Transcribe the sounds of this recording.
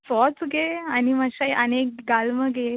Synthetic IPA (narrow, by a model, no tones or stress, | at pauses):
fɔt͡sɡeaniməɕaʔənek̚ɡalməɡe